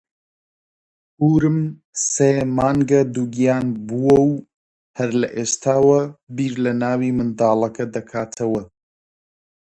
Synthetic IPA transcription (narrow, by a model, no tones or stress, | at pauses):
huːɾɨm | seːmaːŋɡɐd̪uɡijaːnbuwɐw | hɐɾlɐʔeːʃt̪ʰaːwɐbiːɾlɐnaːwiːmɨnd̪aːlˠɐkʰɐd̪ɐkʰaːt̪ʰɐwɐ